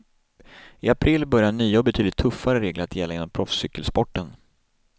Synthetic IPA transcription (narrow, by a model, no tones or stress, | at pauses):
ɪapʰɾɪlːbœɾjaɳyːɔɔbɛt̪ʰyːd̪ɪt̪ʰːɵfːaɾəɾeːɡləɾat̪ʰjɛlːaɪnːɔmpʰɾɔfsʏkːəlspɔʈːən